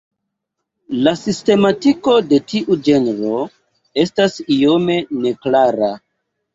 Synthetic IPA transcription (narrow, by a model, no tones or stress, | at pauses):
lasiste̞matiko̞de̞tiʔud͡ʒe̞nɾo̞ | e̞stasijo̞me̞ne̞klaɾa